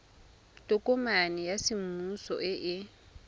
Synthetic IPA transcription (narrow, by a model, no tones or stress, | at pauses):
tʼʊkʼɔmanɛjasɪm̩usɔ̰ʔɪʔɪ